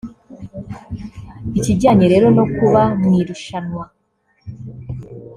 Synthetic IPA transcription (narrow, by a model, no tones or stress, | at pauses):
iciɟaːɲeɾe̞ːɾo̞no̞kuβamniɾuʃanwa